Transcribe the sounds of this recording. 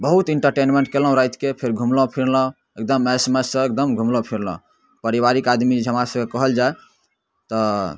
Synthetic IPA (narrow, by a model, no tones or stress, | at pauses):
bəɦut̪iɳʈəɾʈenmeɳʈ̚kelɔ̃ɦõɾajt̪kepʰeɾɡʱumlõpʰiɾlɔ̃ | ek̚d̪əmesmesə̃ek̚d̪əmɡʱumlõpʰiɾlɔ̰̃ | pəɾibaɾikad̪mid͡ʒɦəmɾasəbkekəɦəld͡ʒae | t̪ɔ